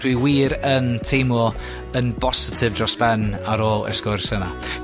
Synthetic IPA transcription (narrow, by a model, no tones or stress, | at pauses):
d̥wiwiːɾəntʰejmɔ | ənb̥ɔsɪtʰɪvdrɔsb̥ɛnaɾɔlˠə̰skʊrsəna̰